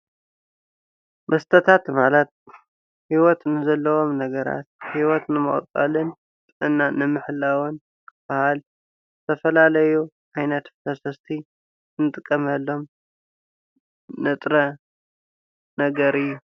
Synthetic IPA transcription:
mʔɐst̪ʰɐt̪ʰat̪malɐt̪̚ | hiwɔt̪nɨzɐlːɐwo̞mnɐɡɐɾa̰t̪̚hiwɔt̪nɨmɨ̰χʼt̪ʼɐ̰lɨn | t̪ʼɨʔɨnːanɨmɨħɨlːawɨn | kʰɨb̥ahal | zɨt̪ʰɐfɐlalɐju | ʔajnɐt̪fɐsɐst̪ʰi | nɨt̪ʼɨkʼːɐmɐlːo̞m | nɨt̪ʼɾɐ | nɐɡɐɾɨjːu

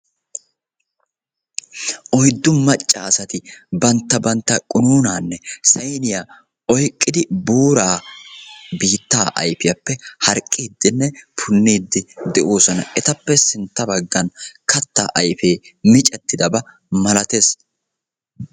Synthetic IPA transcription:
ʔɔjd̪ːʊmːɐt͡ʃʼːaːɐsɐt̪ɪbɐnt̪ːɐbɐnt̪ːɐkʼʊnuːnaːnːɛsɐjnɪja | ɔjkʼːɪd̪ɪbuːɾaː | biːt̪ːaːʔɐ̰jfɪjɐpːɛhɐɾkʼːiːd̪ːɪnːɛpʰʊnːiːd̪ːɪd̪ɛʔoːsɔnɐ̰ʔɛt̪ɐpːɛsɪnt̪ːɐbɐɡːɐnkʰɐt̪ːa̰ʔɐjfe̞ːmɪt͡ʃʼɛt̪ːɪd̪ɐbɐ | mɐlɐt̪es

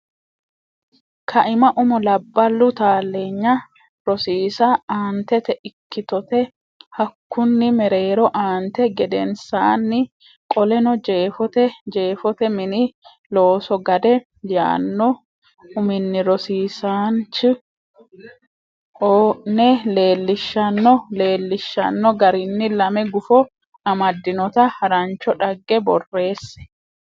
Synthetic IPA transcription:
kʰɐʔɪmɐʔʊmʊlɐbːɐlːʊt̪aːlːeːɲːɐ | ɾɔsiːsɐaːnt̪ɛt̪ɛʔɪkːɪt̪ɔt̪ɛ | hɐkːʊnːɪmɛɾeːɾɔʔaːnt̪ɛɡɛd̪ɛnsaːnːɪ | kʼɔlɛnɔd͡ʒe̞ːfɔt̪ɛd͡ʒe̞ːfɔt̪ɛmɪnɪ | lo̞ːsɔɡɐd̪ɛ | ja̰ːnːɔ | ʊmɪnːɪɾɔsiːsaːnt͡ʃɪ | oːnɛle̞ːlːɪʃːɐnːɔle̞ːlːɪʃːɐ̰nːɔɡɐɾɪnːɪlɐmɛɡʊfɔ | ɐmɐd̪ːɪnɔt̪ɐhɐɾɐnt͡ʃɔᶑɐɡːɛbɔrːe̞ːsːɛ̥

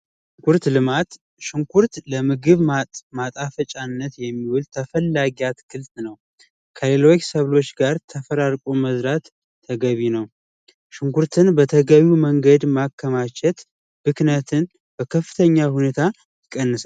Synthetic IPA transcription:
ʃ | ɪŋkuɾt̪lɨmat̪ | ʃɪŋkuɾt̪ləmɨɡɨβmat̪ʼafət͡ʃʼanːət̪jɛmːiwʊlt̪ʰəfəlːaɡijat̪kʰɨlt̪nəw | kʰəlelo̞t͡ʃːsəβlo̞t͡ʃːɡaɾt̪ʰəfəɾaɾkʼoməzɾat̪ʰː | əɡəβinəw | ʃɪŋkuɾt̪ʰɨnbət̪ʰəɡəβuməŋɡəd̪makʰːəmat͡ʃʰɛt̪ | bɨknət̪ʰɨn | bəkʰəfːɨ̥t̪ʰəɲːahunet̪ʰa | jɪkʼːənːɨsal

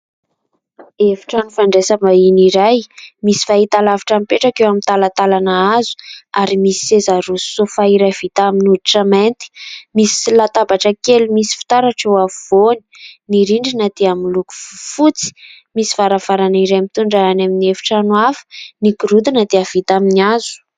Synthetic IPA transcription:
evi̥ʈ͡ʂanufaɳɖ͡ʐesamainiɾajmisi̥faɦit̪alavaʈ͡ʂampeʈ͡ʂakewamint̪alat̪alanaazu̥aɾimisi̥sezaɾusu̥sofaiɾajv̥it̪aaminud̪iʈ͡ʂəment̪i̥misi̥lat̪abaʈ͡ʂəkelumisi̥fi̥t̪aɾaʈ͡ʂewavoni̥niɾiɳɖ͡ʐinad̪̥eamiluku̥vufut͡si̥ | misivaɾav̥aɾaniɾajmit̪uɳɖ͡ʐaanaminiefi̥ʈ͡ʂanwafə̥nikiɾud̪inad̪eav̥it̪aminiazu̥

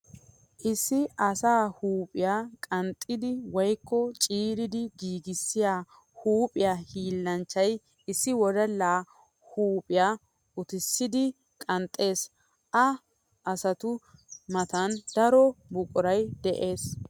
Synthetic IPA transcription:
ʔɪsːɪʔɐsaːhuːpʼɪjaːkʼɐnt̪ʼːɪd̪ɪwɔjkːɔt͡ʃʼiːɾɪd̪ɪɡiːɡɪsːɪjaː | huːpʼɪjaːhiːlːɐnt͡ʃːɐj | ɪsːɪwɔd̪ɐlːaː | huːpʼɪjaː | ʊt̪ɪsːɪd̪ɪ | kʼɐnt̪ʼːe̞ːs | ʔɐ | ʔɐsɐt̪ʊmɐt̪ɐnd̪ɐɾɔbʊkʼʊɾɐjd̪ɛʔe̞ːs

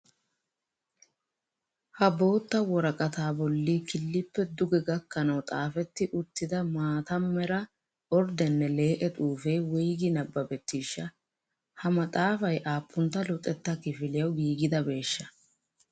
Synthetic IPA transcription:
hɐbo̞ːt̪ːɐwɔɾɐkʼɐt̪aːbɔlːikɪlːɪpːɛd̪ʊɡɛɡɐkːɐnɐwt̪ʼaːfɛt̪ːɪʔʊt̪ːɪd̪ɐmaːt̪ɐmːɛɾɐ | ɔɾd̪ɛnːɛle̞ːʔɛt̪ʼuːfe̞ːwɔjɡɪnɐbːɐbɛt̪ːiːʃːɐ | hɐmɐt̪ʼaːfɐjʔaːpːʊnt̪ːɐlʊt̪ʼːɛt̪ːɐkɪfɪlɪjɐwɡiːɡɪd̪ɐbe̞ːʃːɐ

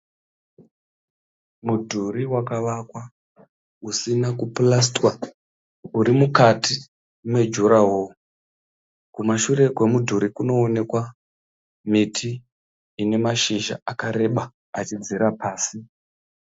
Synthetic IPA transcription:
mudʱuɾiwakaʋakwa | usinakuplastwa | uɾimukati | mwe̞d͡ʒuɾawo | kumaʃuɾe̞kwe̞mudʱuɾikuno̞ːne̞kwa | mitʰiː | ne̞maʃiʒa̰ʔakaɾe̞ɓa | at͡ʃid͡ziɾapaːsi

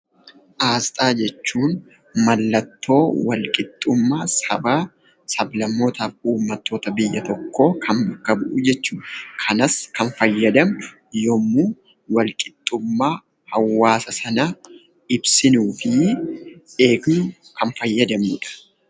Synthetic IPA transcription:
ʔaːst̪ʼaːd͡ʒɛt͡ʃːuːn | mɐlːɐt̪ːo̞ːwɐlkʼɪt̪ʼːʊmːaːsɐ̰baː | sɐblɐmːo̞ːt̪aːfuːmːɐt̪ːo̞ːt̪ɐbɪjːɐt̪ɔkːo̞ːkʰɐmbɐkːɐbʊʔʊd͡ʒɛt͡ʃːuːᶑkʰɐnɐskɐnfɐjːɐd̪ɐmʊ̥ | jomːuː | wɐlkʼɪ̥t̪ʼːʊmːaː | hɐwːaːsɐsɐnɐ | ɪbsɪnuːfɪ | e̞ːknʊkɐnfɐjːɐd̪ɐmʊᶑɐ̥

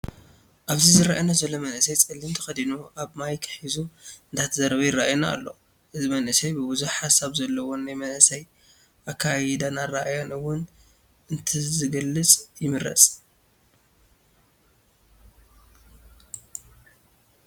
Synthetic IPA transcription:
ʔaβzizɨɾaʔjinazɐlːomɐnʔɨsɐjt͡sʼɨlːimt̪ʰɐ̥xɐd̪inuʔaβmajkʰɨ̥ħizuɨnt̪ʰat̪ʰɐzɐɾɐβɐjɪɾaʔajna̰ːlːo̞̰ | ʔɨzimɐnʔɨsɐjbɨbuzuħasaβzɐlːɐwonajmɐnʔɨsɐj | ʔakʰːajid̪anaɾaʔajo̞nɨwʊn | ʔɨnt̪ʰizɨɡɐlːɨt͡sʼjɪmɨɾɐ̰t͡sʼ

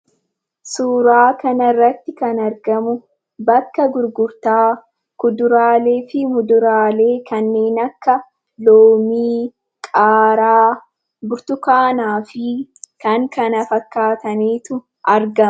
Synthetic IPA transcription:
suːɾaːkɐnɐrːɐt̪ːɪkɐnɐɾɡɐmʊ | bɐkːɐɡʊɾɡʊɾt̪aː | kʊd̪ʊɾaːle̞ːfɪmʊd̪ʊɾaːle̞ːkʰɐnːe̞ːnɐkːɐ | loːmiː | kʼaːɾaː | bʊɾt̪ʊkaːnaːfɪkɐŋkʰɐnɐfɐkːaːt̪ɐmeːt̪ʊ | ʔɐɾɡɐ

